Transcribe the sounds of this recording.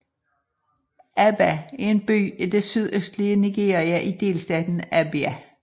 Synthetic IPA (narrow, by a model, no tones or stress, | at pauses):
æb̥ææɐe̝nb̥y̰ːid̥e̝syðˠøsd̥liəniɡ̥e̝̰ːɐiæʔid̥e̝̰ːlsd̥ɛːd̥n̩æb̥iæ